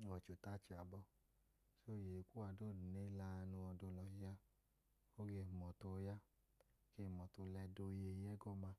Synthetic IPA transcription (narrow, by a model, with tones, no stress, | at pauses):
ɔ˨t͡ʃo˨ta˦t͡ʃi˨a˨bɔ˧ | so˦˨je˨˧kʷu˦a˧˨do˦˨du˨ne˦la˧˦˧nũ˧ɔ˧do˧lɔ˧i˦ja˦ | o˦ɡe˦˨mɔ˨to˧˦ja˦ | ɡe˦˨mɔ˨to˧lɛ˧do˧˦je˧˦ɛ˦ɡɔ˦ma˧˦